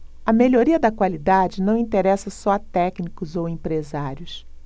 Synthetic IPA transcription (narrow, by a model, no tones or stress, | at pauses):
ɐmeʎoɾiɐd̪ɐkwalid̪ad͡ʒɪnɐ̃w̃ĩnt̪eɾɛsɐsɔɐt̪ɛknikʊzowẽmpɾezaɾjʊs